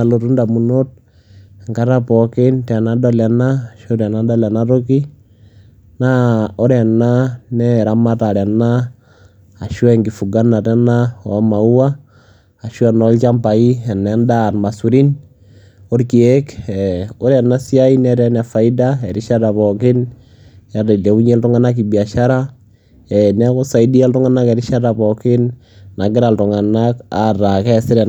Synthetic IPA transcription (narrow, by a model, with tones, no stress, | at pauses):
a˨lo˨ɾu˦nda˨mu˨no˦t̚ | ŋɡa˦ɾa˨pɔ˨kɪ˦ntɛ˨na˦dɔ˦lɛ˨na˦˨ʃo˦ɾɛ˨na˦dɔ˦lɛ˨na˦ɾo˦ki˦ | na˦o˦ɾɛ˨nːa˦nɛ˦ɾa˦ma˦ta˨ɾɛ˨nːa˦ | a˨ʃwɛ˦ŋɡi˨fu˨ɡa˦na˨tɛ˦na˦˨a˦ma˨u˦wa˦ | a˨ʃwɛ˨nɔ˦lt͡ʃa˦mpa˨i˦ɛ˨nɛ˦nda˨nma˨su˨ɾi˦n | o˦ɾki˨e˦kɛo˦ɾɛ˨na˦sja˦i˦nɛ˦ɾɛ˦nɛ˨fa˨i˦da˦ɛ˨ɾɪ˦ʃa˦ɾa˨βɔ˨kɪ˦n | a˨de˨le˨u˦ɲɛ˦ltʊ˦ŋa˦na˦k̬i˨bia˨ʃa˦ɾa˦ | ɛnɛ˦kɔ˦sa˨i˦di˦a˦ltʊ˦ŋa˦na˦kɛ˨ɾɪ˦ʃa˦ɾa˨bɔkɪ˦n | na˨ɡɪ˦ɾa˨ltɔ˨ŋa˨na˦ka˦ɾa˨kɛsɪ˦ɾɛ˨n